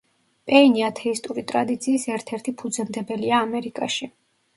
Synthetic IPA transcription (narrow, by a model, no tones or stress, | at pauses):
pʼɛiniat̪ʰɛist̪ʼuɾit̪ʼɾad̪it̪sʰiːsɛɾt̪ʰɛɾt̪ʰipʰud̪zɛmd̪ɛbɛliaːmɛɾikʼaʃi